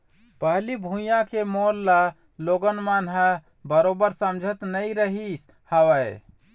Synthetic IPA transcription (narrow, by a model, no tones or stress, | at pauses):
pəɦlibʱũijãkemolːa | loɡənmanɦə | bəɾobəɾsəmd͡ʒʱət̪nəjɾəɦis | həwə